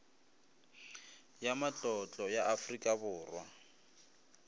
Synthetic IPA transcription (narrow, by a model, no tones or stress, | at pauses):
jamat͡ɬʼɔt͡ɬʼɔjaʔafrikʼabʊːrwa